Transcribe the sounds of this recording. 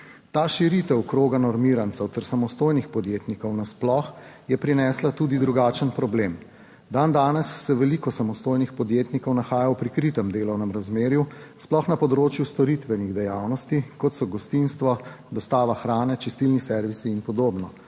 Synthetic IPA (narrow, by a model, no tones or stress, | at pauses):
t̪aːʃiɾit̪ɛwkɾoːɡanɔɾmiɾant̪sɛwt̪ɛɾsamɔst̪oːjnixpɔd̪jeːt̪nikɔwnasplɔx | jɛpɾinɛːslat̪uːd̪id̪ɾuɡaːt͡ʃənpɾɔbleːm | d̪and̪aːnɛsːɛʋɛlikɔsamɔst̪oːjnixpɔd̪jeːt̪nikɔwnaxaːjawpɾikɾit̪ɛmd̪eːlɔwnɛmɾazmeːɾjusplɔxnapɔd̪ɾoːt͡ʃjust̪ɔɾit̪ʋɛniɣd̪ɛjaːwnɔst̪ikɔt̪sɔɡɔst̪inst̪ʋɔ | d̪ɔst̪aːʋaxɾaːnɛt͡ʃist̪ilnisɛɾʋisiːnpɔd̪oːbnɔ